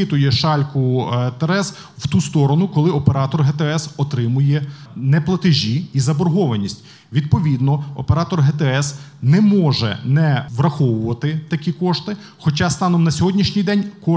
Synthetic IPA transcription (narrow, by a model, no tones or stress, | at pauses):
ɪt̪ʊjɛʃɑlʲkʊt̪eɾɛz | wt̪ust̪ɔɾɔnʊkɔlˠɪɔpeɾɑt̪ɔrɦɛt̪ɛɛsɔt̪ɾɪmʊjɛnɛplˠɐt̪ɪʒʲiizɐbɔrɦɔʋɐnʲisʲtʲ | ʋʲid̪̚pɔʋʲid̪nɔɔpeɾɑt̪ɔrɦɛt̪ɛɛs | nɛmɔʒɛ̰nɛʋrɐxɔʋʊʋɐt̪ɪt̪ɐkʲikɔʃt̪ɪ | xɔt͡ʃɑst̪ɑnɔmnɐsʲɔɦɔdʲnʲiʃnʲijd̪ɛnʲkɔ